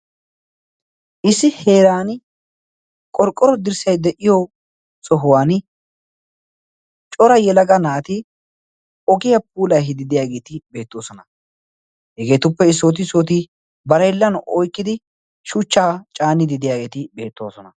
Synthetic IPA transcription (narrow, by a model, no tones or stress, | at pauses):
ʔɪsːɪhe̞ːɾaːn | kʼɔɾkʼːɔɾɔd̪ɪɾsɐjd̪ɛʔɪjɔ | sɔɦʊwaːn | t͡ʃʼɔɾɐjɛlɐɡɐnaːt̪ɪ | ɔɡɪjɐp̚uːlɐjɦɪd̪ɪd̪ɪjaːɡe̞ːt̪ɪbe̞ːt̪ːo̞ːsɔnɐ | hɛɡe̞ːt̪ʊpːɛɪsːoːt̪̬ɪsoːt̪̬ɪ | bɐɾɐjlːɐnɔjkːɪd̪ɪ | ʃʊt͡ʃːaːt͡ʃʼaːnːɪd̪ɪd̪ɪjaːɡe̞ːt̪ɪbe̞ːt̪ːo̞ːsɔnɐ